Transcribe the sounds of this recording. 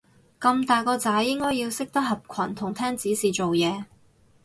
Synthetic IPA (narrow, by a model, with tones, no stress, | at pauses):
kɐ˧mt̪aː˨jkɔː˧t͡saː˨˥jjɪ˥ŋkɔː˥jiː˧wsɪ˥k̚t̪ɐ˥k̚ɦɐ˨p̚kʷʰɐ˨˩nt̪ʰʊ˨˩ŋt̪ʰɛː˥ŋt͡siː˨˥siː˨t͡so˨wjɛː˨˧